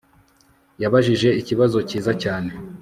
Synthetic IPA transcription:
jaβaʒiʒe̞iciβazo̞ciːzacaːne̞

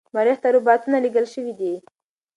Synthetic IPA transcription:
maɾiht̪aɾubɑt̪unaliɡəlʃəwid̪i

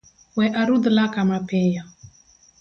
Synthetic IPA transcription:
wɛʔaɾud̪lakamapɛja

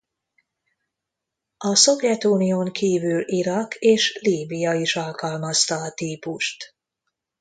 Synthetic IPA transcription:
ɒso̞vjɛt̪uːnijoŋkʰiːvyliɾɒkeːʃliːbijɒiʃɒlkɒlmɒst̪ɒːt̪iːpuʃt̪

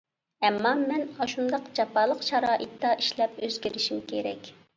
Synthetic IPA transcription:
ɛmːɑmɛnɑʃund̪ɑqd͡ʒɑpʰɑːlˠəqʃɑɾɑːʔit̪ːɑʔiʃlɛpøzɡʲiɾɪʃimkʲʰeɾɛ̰kʲ

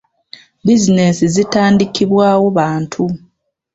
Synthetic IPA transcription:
bizine̞sizitaːndikʰiβwaːwo̞βaːntʰu

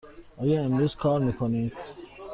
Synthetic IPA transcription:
ɒːjɒːemɾuːz̥kʰɒːɾmiːkʰonid̪

